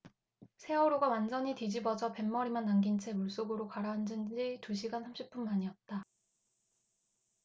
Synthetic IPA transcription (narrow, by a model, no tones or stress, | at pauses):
sʰe̞ʌɾuɡawand͡ʑʌɲitid͡ʑibʌd͡ʑʌpe̞mːʌɾimanːaŋɡint͡ɕʰe̞muɭs͈oɡɯɾokaɾaɦand͡ʑɯnd͡ʑituɕʰiɡansʰamɕʰip͈unmaɲiʌt̚t͈a